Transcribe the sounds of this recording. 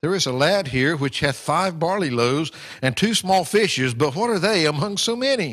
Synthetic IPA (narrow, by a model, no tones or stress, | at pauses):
ðə˞ɨzəlæd̚ɦiɹwɨt͡ʃhɨð̥faɪvbɑɹliloʊz | ɨ̃ntʰʉsmɔlˠfɪʃɨzbʌt̚wʌɾə˞ðeɪɨmʌ̃ŋsoʊmɛni